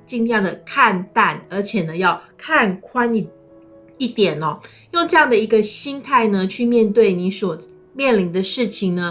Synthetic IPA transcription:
t͡ɕi˥˧ŋ˥jɑ˥˩ŋd̪ə˩kʰa˥˧nt̪a˥˩nə˞˧˥t͡ɕʰjɛ˨˩nə˦jɑ˥˧ʊkʰa˥˧nkʰwa˥ni˧˩ | i˥˩t̪jɛ˨˩nɐ˦ | jo˥˧ŋʈ͡ʂɤ˥˧jɑ˥˩ŋd̪ə˩i˧˥ɡə˧ɕi˥nt̪ʰa˥˩ɪnə˧t͡ɕʰy˥˧mjɛ˥˧nt̪we˥˩ɪni˧˥swɔ˨˩ | mjɛ˥˩nli˧˥ŋd̪ə˧ʂɻ̩˥˩t͡ɕʰi˨˩ŋnə˦

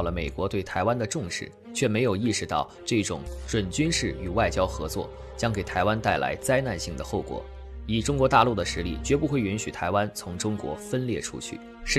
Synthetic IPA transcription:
lə˩me˨˩ɪkwɔ˧˥t̪we˥˩ɪt̪ʰa˧˥ɪwa˥nd̪ə˨ʈ͡ʂʊ˥˧ŋʂɻ̩˥˩ | t͡ɕʰɥɛ˥˩me˧˥ɪjo˨˩ʊi˥˩ʂɻ̩˧˥t̪ɑ˥˧ʊʈ͡ʂɤ˥˩ʈ͡ʂʊ̰˨˩˦ŋʈ͡ʂwə˨˩nt͡ɕy˥nʂɻ̩˥˩y˨˩wa˥˩ɪt͡ɕjɑ˥ʊxɤ˧˥t͡swɔ̰˥˩ | t͡ɕjɑ˥ŋke˨˩ɪt̪ʰa˧˥ɪwa˥nt̪a˥˩ɪlʔa̰˧˥ɪt͡sa˥ɪna˥˧nɕi˥˩ŋd̪ə˩xo˥˩ʊkwɔ̰˨˩ | i˨˩ʈ͡ʂʊ˥ŋkwɔ˧˥t̪a˥˧lu˥˩d̪ə˩ʂɻ̩˧˥li˥˩t͡ɕɥɛ˧˥pu˥˧xwe˥˩ɪy˧˥nɕy˨˩t̪ʰa˧˥ɪwa˥nt͡sʰʊ˧˥ŋʈ͡ʂʊ˥ŋkwɔ̰˧˥fə˥nljɛ˥˩ʈ͡ʂʰṵ˥t͡ɕʰy̰˥˩ | ʂɻ

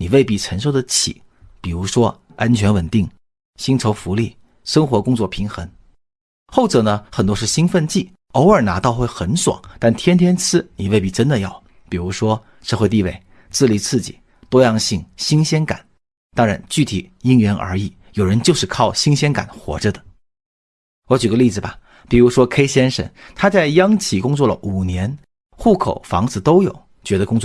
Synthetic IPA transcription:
ni˨˩we˥˧ɪpi˥˩ʈ͡ʂʰə˧˥nʂo˥˧ʊd̪ə˨t͡ɕʰḭ˨˩˦ | pi˨˩ɻu˧˥ʂwɔ˥ | a˥nt͡ɕʰɥɛ˧˥nwə˨˩nt̪i˥˩ŋ | ɕi˥ŋʈ͡ʂʰo˧˥ʊfu˧˥li˥˩ | ʂɤ˥ŋxwɔ˧˥kʊ˥ŋt͡swɔ˥˩pʰi˧˥ŋxə˧˥ŋ | xo˥˩ʊʈ͡ʂɤ˨˩nə˦xə˨˩nt̪̬wɔ˥ʂɻ̩˥˩ɕi˥nfə˥˧nt͡ɕi˥˩ | o˧˥ʊə˞˨˩na˧˥t̪ɑ˥˧ʊxwe˥˩ɪxə˧˥nʂwɑ̰˨˩˦ŋt̪a˥˩nt̪ʰjɛ˥nt̪ʰjɛ˥nt͡sʰɹ̩˥ni˨˩we˥˧ɪpi˥˩ʈ͡ʂə˥nd̪ə˨jɑ˥˩ʊ | pi˨˩ɻu˧˥ʂwɔ˥ | ʂɤ˥˧xwe˥˧ɪt̪i˥˧we˥˩ɪ | t͡sɹ̩˥˩li˧˩t͡sʰɹ̩˥˩t͡ɕḭ˨˩˦ | t̪wɔ˥jɑ˥˧ŋɕi˥˩ŋɕi˥ŋɕjɛ˥nka̰˨˩˦n | t̪ɑ˥ŋɻa˧˥nt͡ɕy˥˩t̪ʰi˨˩i˥ŋɥɛ˧˥nə̰˞˧˥i˨˩˦ | jo˨˩ʊɻə˧˥nt͡ɕjo˥˧ʊʂɻ̩˥˧kʰɑ˥˩ʊɕi˥ŋɕjɛ˥nka̰˨˩˦nxwɔ̰˧˥ʈ͡ʂə˧d̪ə˩ | wɔ˧˥t͡ɕy˨˩ɡə˦li˥˩d͡zɹ̩˩bɐ˩ | pi˨˩ɻu˧˥ʂwɔ˥kʰe˥ɪɕjɛ˥nʂə̰˥˩nt̪ʰa˥t͡sa˥˩ɪjɑ˥ŋt͡ɕʰi˧˥kʊ˥ŋt͡swɔ˥˩lə̰˨˩ʔu˨˩njɛ˧˥n | xu˥˩kʰo̰˨˩ʊfɑ̰˧˥ŋd͡zɹ̩˧˩t̪o˥ʊjo˨˩˦ʊ | t͡ɕɥɛ˧˥d̪ə˧kʊ˥ŋt͡sw

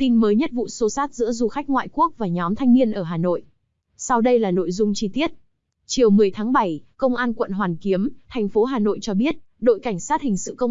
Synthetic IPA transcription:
t̪i˧nməː˨˦jɲə˦˥t̚vṵ˧˨so˨˦saː˦˥t̚zɨ̰˧˥zu˧xa˦˥k̟̚ŋwa̰ː˧˨jku˦˥ək̚vaː˨˩ɲɔ˨˦mt̪ʰa˧ŋmi˧ənʔəː˧˩ɦaː˨˩no̰˧˨jʔ | sa˧wɗə˧jlaː˨˩no̰˧˨jzʊ˧ŋ͡mt͡ɕi˧t̪i˦˥ət̚ | t͡ɕi˨˩əwmɨ˨˩əjt̪ʰaː˨˦ŋɓa˧˩jkə˧wŋ͡mʔaː˧nkwə̰˧˨nɦwaː˨˩nki˨˦əmt̪ʰɛ˨˩ŋ̟fo˨˦ɦaː˨˩no̰˧˨jt͡ɕɔ˧ɓi˦˥ət̚ɗo̰˧˨jka˧˩ŋ̟saː˦˥t̚hï˨˩ŋ̟sɨ̰˧˨kə˧w

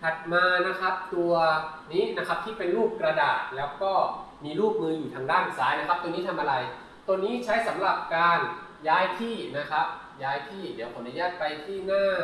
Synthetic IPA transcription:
t̪ʰa˨˩t̪̚maː˧na˦˥kʰa˦˥p̚t̪u˧ɐ | niː˦˥na˦˥kʰa˦˥p̚t̪ʰiː˥˩pe˧nluː˥˩kːɾa˧da̰ː˨˩t̪̚lɛː˦˥wkɔː˥˩miː˧luː˥˩k̚mɯː˧juː˨˩aː˧ŋdaː˥˩nsaː˩˦jna˦˥kʰa˦˥p̚t̪u˧niː˦˥t̪ʰa˧mʔa˧ɾa˧j | t̪o˧niː˦˥t͡ɕʰa˦˥jsa˩˦mɾa˨˩p̚kaː˧njaː˦˥jt̪ʰiː˥˩na˦˥kʰa˦˥p̚ | jaː˦˥jt̪ʰiː˥˩di˩˦wpʰo˨˩˦nʔa˧jaː˥˩t̪̚pa˧jt̪ʰiː˥˩naː˥˩

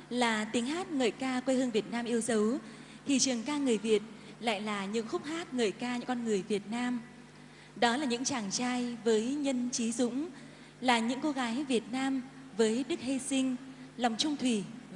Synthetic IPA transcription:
laː˨˩t̪i˨˦ŋɦaː˦˥t̚ŋə̰ː˨˩jkaː˧kwe˧hɨ˧ŋvi˨˩ət̚naː˧mʔi˧əwzə˨˦w | t̪ʰi˨˩t͡ɕɨ˨˩əŋkaː˧ŋɨ˨˩əjvi˨˩ət̚ | la̰ː˧˨jlaː˨˩ɲɨ̰˧˥ŋxʊ˦˥k͡p̚haː˦˥t̚ŋəː˨˩jkaː˧ɲɨ̰˧˥ŋkɔ˧nŋɨ˨˩əjvi˨˩ət̚naː˧m | ɗɔ˨˦laː˨˩ɲɨ̰˧˥ŋt͡ɕaː˨˩ŋt͡ɕaː˧jvəː˨˦jɲə˧nt͡ɕi˨˦zʊ̰˧˥ŋ͡m | laː˨˩ɲɨ̰˧˥ŋko˨˧˦ɣaː˨˦jvi˨˩ət̚naː˧m | vəː˨˦jɗɨ˦˥k̚he˧sï˧ŋ̟lwŋ͡mt͡ɕʊ˧ŋ͡mt̪ʰwi˧˩

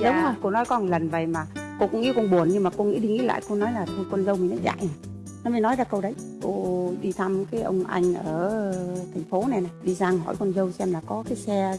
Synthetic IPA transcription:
ɗə˨˦ŋ͡mo˧jko˧nɔ˨˦jkɔ˧˦ə˨˩lə˨˩nvə˨˩jmaː˨˩ko˧kʊ˧˥ŋḭ˧˥kɔ˧nɓu˨˩ənɲɨ˧ŋmaː˨˩ko˧ŋḭ˧˥ɗi˧ŋḭ˧˥la̰ː˧˨jko˧nɔ˨˦jlaː˨˩t̪ʰo˧jkwə˧nzə˧wmi˨˩ŋnɔ˨˦za̰ː˧˨j | n˨˦mə˨˧˦nɔ˨˦jzaː˧kə˧wɗə˨˦jko˧ɗi˧t̪ʰa˧mkaː˨˦jʔə̰˧wŋ͡mʔa̰˧jŋ̟ʔəː˧˩t̪ʰa˨˩jŋ̟fo˨˦na˨˩na˨˩jɗi˧zaː˧ŋɦɔ̰˧˩jkwə˧nzə˧wsɛ˧mlaː˨˩kɔ˨˦kaː˨˦jsɛ˧

